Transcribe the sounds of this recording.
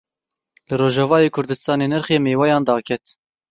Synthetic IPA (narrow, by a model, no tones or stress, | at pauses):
lɨɾoːʒɛvɑːjeːkʰʊɾd̪ɨst̪ɑːneːnɨɾxeːmeːwɑjɑːnd̪ɑːkʰɛt̪